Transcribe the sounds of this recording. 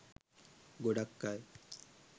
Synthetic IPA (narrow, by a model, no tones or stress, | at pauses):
ɡoɖakːaj